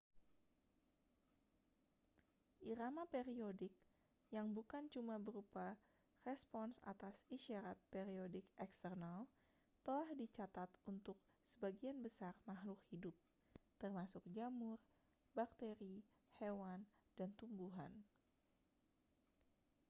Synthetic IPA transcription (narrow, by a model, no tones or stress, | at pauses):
ʔiɾamapeɾiodɪk̚ | jaŋbukant͡ʃumabəɾupa | rɛspɔnsa̰t̪asiʃaɾat̪̚peɾiodɪkɛkst̪ərnal | t̪əlahdit͡ʃat̪at̪unt̪ʊk̚ | səbaɡianbəsarmaɦlʊkhidup̚ | t̪ərmasʊk̚d͡ʒamʊr | bak̚t̪eɾi | hewandant̪umbuɦa̰n